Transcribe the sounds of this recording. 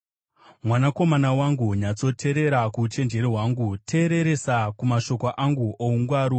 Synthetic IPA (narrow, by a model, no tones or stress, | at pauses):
mwanako̞manawaŋɡuɲat͡so̞tʰe̞ɾe̞ɾakut͡ʃe̞nd͡ʒe̞ɾiɦwaŋɡutʰe̞ːɾe̞ɾe̞sakumaʃo̞koʔaŋɡuouŋɡwaːɾu